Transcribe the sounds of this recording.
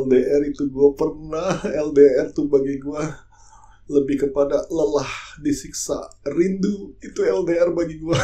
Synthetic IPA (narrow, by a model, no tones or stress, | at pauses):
ɛldeɛrit̪uɡuapərnahɛldeɛrt̪ubaɡiɡua | ləbɪhkəpadaləlahdisiksa̰rinduit̪uɛldeɛrbaɡiɡua